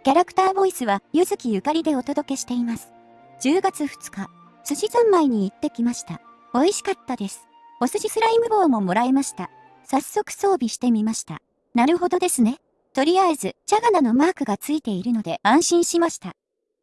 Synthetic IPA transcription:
kʲaɾakɯ̟̥t̪aːbo̞isɨβajɯ̟zɨkʲijɯ̟kaɾʲid̪e̞o̞t̪o̞d̪o̞ke̞ɕi̥t̪e̞imasɨ̥ | d͡ʑɨːɡat͡sɨɸɯ̥t͡sɨ̥ka | sɨʑizãmːaiɲ̟iːt̪ːe̞kʲimaɕi̥t̪a | o̞iɕi̥kat̪ːad̪e̞sɨ̥ | o̞sɨʑisɨɾaimɯ̟bo̞ːmo̞mo̞ɾaemaɕi̥t̪a | sasːo̞kɯ̟̥so̞ːbʲiɕi̥t̪e̞mʲimaɕi̥t̪a̰ | naɾɯ̟ɦo̞d̪o̞d̪e̞sɨne̞ | t̪o̞ɾʲiaezɨt͡ɕaɡanano̞maːkɯ̟ɡat͡sɨit̪e̞iɾɯ̟no̞d̪e̞ãɰ̃ɕĩɰ̃ɕimaɕi̥t̪a

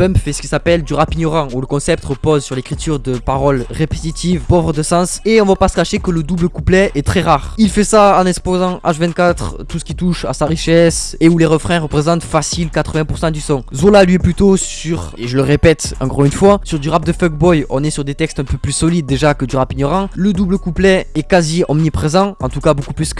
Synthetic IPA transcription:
pœ̃mpfɛsə̥kʲilsapɛld̪yʁapiɲɔʁɑ̃uləkɔ̃sɛp̚t̪əʁəpɔzsyʁlekχit̪ʰyʁd̪əpaʁɔlʁepe̥t̪it̪ʰivpɔvʁəd̪əsɑ̃seɔ̃vapasə̥kaʃekələd̪ubləkuplɛɛt̪χɛʁaʁilfɛsaɑ̃nɛ̃kspozɑ̃ʔa̰ʃvɛ̃nt̪̚kat̪χt̪usə̥kʲit̪uʃa̰saʁiʃɛseuleʁəfχɛ̃ʁəpχezɑ̃t̪fasilkat̪χəvɛ̃puʁsɑ̃d̪ysɔ̃zolalɥɛplyt̪osyʁeʒələʁepɛt̪ɑ̰̃kɔʁynfwasyʁd̪yʁap̚d̪əfœɡbɔjɔ̰̃nɛsyʁd̪et̪ɛkst̪ɛ̃pøplysɔlid̪ːeʒakəd̪yʁapiɲɔʁɑ̃ləd̪ubləkuplɛɛkaziɔmnipχezɑ̃ɑ̃t̪ukabokuplysk

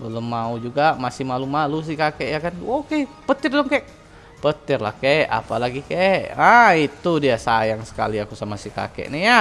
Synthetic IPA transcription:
bələmːaud͡ʒuɡamasɪhmalumalus̬ikakɛʔjakanokepət̪ɪrbləŋkaʔ | pət̪ɪrlahkaʔa̰palaɡikaʔait̪udiasajaŋsə̥ka̰liakusamasika̰kɛ̰ʔnɪhja

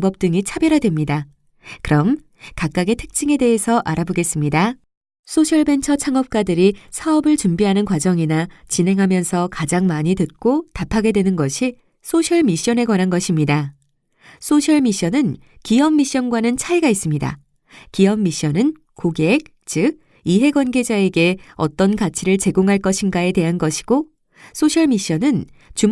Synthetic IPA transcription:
ŋbʌp̚t͈ɯŋit͡ɕʰabjʌɾadwemɲida | kɯɾʌm | kak͈aɡetʰɯ̥k̚t͡ɕ͈iŋe̞de̞ɦesʰʌʔaɾaboɡe̞s͈ɯmɲida | sʰoɕʰʌɭbe̞nt͡ɕʰʌt͡ɕʰaŋʌp̚k͈adɯɾisʰaʌbɯɭt͡ɕumbiɦanɯnkwad͡ʑʌŋinat͡ɕinɦe̞ŋɦamjʌnsʰʌkad͡ʑaŋmaɲitɯt̚k͈otapʰaɡe̞dwe̞nɯnɡʌɕʰi | sʰoɕʰʌɭmiɕ͈ʌne̞kwanɦanɡʌɕʰimɲida | sʰoɕʰʌɭmiɕ͈ʌnɯn | kiʌmːiɕ͈ʌnɡwanɯnt͡ɕʰaiɡais͈ɯmɲida̰ | kiʌmːiɕ͈ʌnɯn | koɡeːk̚ | t͡ɕɯɡ̚ | iɦe̞ɡwanɡe̞d͡ʑae̞ɡe̞ʌ̰t͈ʌnkat͡ɕʰiɾɯɭt͡ɕe̞ɡoŋɦaɭk͈ʌɕʰinɡae̞te̞ɦanɡʌɕʰi̥ɡ̥o | sʰoɕʰʌɭmiɕ͈ʌnɯn | t͡ɕum

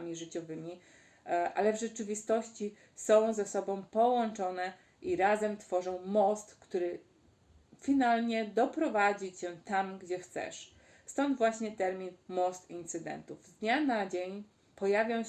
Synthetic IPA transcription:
mʲiʐɘt͡ɕɔvɘmʲi | ʔa̰lɛvʐɛt͡ʂɘvʲist̪ɔɕt͡ɕi | sɔ̃w̃zɛsɔbɔ̃w̃pɔwɔnt͡ʂɔnɛ | ʔiɾazɛmt̪fɔʐɔ̃w̃mɔst̪kt̪uɾɘ | fʲinalɲɛd̪ɔpɾɔvad͡ʑit͡ɕɛt̪amɡd͡ʑɛxt̪sɛ̰ʂ | st̪ɔnd̪vwaɕɲɛt̪ɛɾmʲinmɔst̪int̪sɘd̪ɛ̰nt̪uvzd̪d̪ɲanad͡ʑeɲ | pɔjavʲjɔ̃w̃

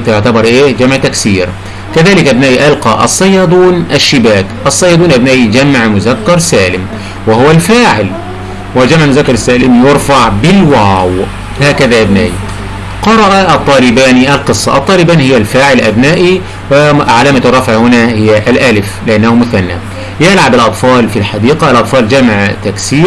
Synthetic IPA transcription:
t̪jʊʕt̪abɑɾˤʔeːd͡ʒamʕt̪aksiːɾ | kaðaːlɪkʔabnaːʔiʔɑlqɑʔɑ̰sˤːɑjːɑd̪ˤuːnʔaʃːɪbaːkʔɑsˤːɑjːɑːd̪ˤuːnʔabnaːʔid͡ʒamʕmʊzakːɑɾˤsaːlɪm | wɪhʊwalfaːʕɪl | wɪd͡ʒamʕmʊzakːɑɾˤsːaːlɪmjʊɾˤfaʕbɪlwaːw | haːkaðaʔabna̰ːʔi | qɑɾˤɑʔat̪ˤːɑːlɪbaːniʔalqɨsˤːɑʔɑt̪ˤːɑːlɪbaːnhɪjːalfaːʕɪlʔabnaːʔi | wɪʕalaːmat̪rˤːɑfʕhʊnahɪjːaʔlʔalɪflɪʔanːahumʊθanːa̰ | jɪlʕabalʔɑt̪ˤfɑːlfilħad̪iːqaalʔɑt̪ˤfɑːld͡ʒamʕt̪aksiːɾ

